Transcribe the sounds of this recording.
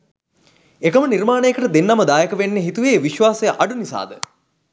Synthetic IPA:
ekəmənirmaːnejəkəʈəd̪enːaməd̪aːjəkəʋenːeɦit̪uʋeːʋiʃʋaːsejəʔaɖunisa̰ːd̪ə

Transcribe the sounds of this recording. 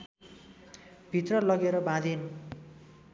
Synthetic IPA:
bʱit̪rʌlʌɡeɾʌbãd̪ʱen

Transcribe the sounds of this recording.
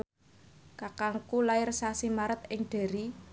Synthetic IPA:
kakaŋkulaɪrsasimaɾət̪̚ɪŋɖ̪̥e̤ɾi

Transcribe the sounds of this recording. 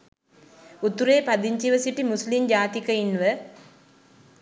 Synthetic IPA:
ut̪uɾeːpad̪iɲt͡ʃiʋəsiʈimuslimd͡ʒaːt̪ikəinʋə

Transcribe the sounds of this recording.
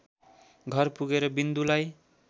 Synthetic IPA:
ɡʱʌrpuɡeɾʌbind̪ulaj

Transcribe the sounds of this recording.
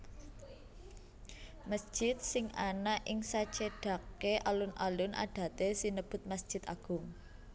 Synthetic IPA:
məsd̥ʒ̥ɪt̪̚sɪŋanaʔɪŋsat͡ʃeɖ̥ä̤keʔalʊna̰lʊnʔa̰ɖ̥ä̤t̪esinəb̥ʊ̤t̪̚masʒ̥ɪ̤t̪a̰ɡ̥ʊŋ

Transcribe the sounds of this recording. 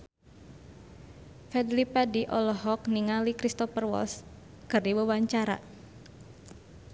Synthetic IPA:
fɛd̪lipadiʔɔlɔɦɔk̚niŋalikɾist̪ɔfərwɔ̰ls | kərdiwəwaɲt͡ʃaɾa̰

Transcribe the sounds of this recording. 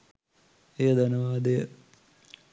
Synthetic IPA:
ejəd̪anəʋaːd̪ejə

